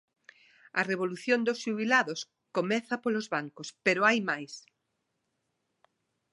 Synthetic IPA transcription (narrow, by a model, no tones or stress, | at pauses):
ɐreβ̞oluθjond̪osʃuβilaðʊs | komɛθɐpolozβaŋkospeɾoajmajs